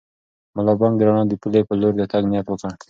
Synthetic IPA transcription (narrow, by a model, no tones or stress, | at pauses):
malɑbɑŋɡd̪əɾaɳɑd̪əpulepəloɾd̪ət̪aɡnijat̪wəka